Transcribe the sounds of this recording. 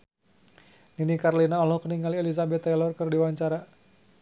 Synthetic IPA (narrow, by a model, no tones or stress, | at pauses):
ninikaɾlinaɔlɔhkəniŋɡalielizabɛt̪ɛlɔrkərdiwaɲt͡ʃaɾa